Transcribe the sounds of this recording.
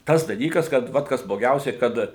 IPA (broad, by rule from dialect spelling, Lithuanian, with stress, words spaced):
ˈtɐs dɐˈlʲiːkɐs kɐt ˈʋɐt ˈkɐs blˠoːˈɡʲɛʊsʲɛɪ ˈkɐt